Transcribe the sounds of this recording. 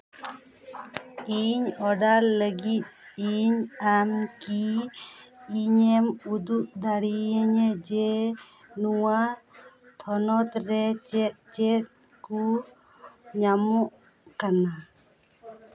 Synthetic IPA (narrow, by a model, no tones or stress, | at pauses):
iɲɔɖalːəɡit̪̚iɲamki | ɲɛmud̪uʔd̪aɽiəɲɛd͡ʒɛ | nuwa | t̪ʰɔnɔt̪ɾɛt͡ʃɛt̪̚t͡ʃɛt̪̚ | ku | ɲamɔʔ | kana